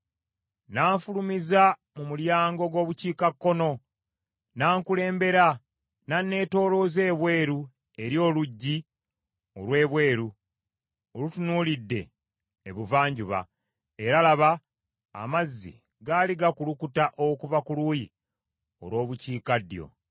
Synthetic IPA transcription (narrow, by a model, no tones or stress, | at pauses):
naːɱfulumiza | mumuljaːŋɡo̞ɡo̞ːβuciːkakːo̞no̞ | naːŋkule̞ːmbe̞ɾa | nanːe̞ːto̞ːlo̞ze̞ːβwe̞ːɾu | e̞ɾjo̞ːluɟːi | o̞̰lwe̞ːβwe̞ːɾu | olutunuːlidːe̞̰ː | βuvaːɲɟuβa̰ | eɾalaβa | a̰mazːḭ | ɡaliɡakulukutaʔokuvakuluːji | o̞̰lwo̞ːβuciːkadjo̞̰